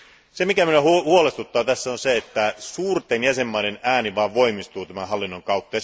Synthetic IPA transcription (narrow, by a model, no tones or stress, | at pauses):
semikæmyøhhuolest̪ut̪ːɑːt̪æsːæonseet̪ːæsuːrt̪enjæsemːɑinenæːniʋɑːʋʋo̞imist̪uːt̪æmæɦɑlːinːoŋkɑut̪ːɑjɑ